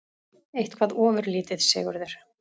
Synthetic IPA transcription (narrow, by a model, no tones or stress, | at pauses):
ejht̪kʰvaːðɔːvʏɾliːt̪ɪðsɛ̰ːɣʏɾðɛɾ̥